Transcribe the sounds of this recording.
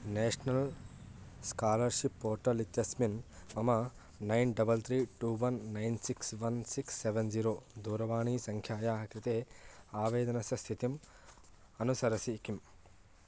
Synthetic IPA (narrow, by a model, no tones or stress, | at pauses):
neːʂɐnɐl | skaːlɐɾʃipːoːɾʈɐlit̪ːjɐsminɐmɐ | nɐjnɖɐbɐlt̪ʰɾiːʈuːʋɐnːɐjnsiksʋɐnsiksːeʋenziːɾoːd̪uːɾɐʋaːɳiːsɐŋkʰjaːjaːɦɐkɾɐt̪eːaːʋeːd̪ɐnɐsɐst̪ʰit̪im | ɐnusɐɾɐsikim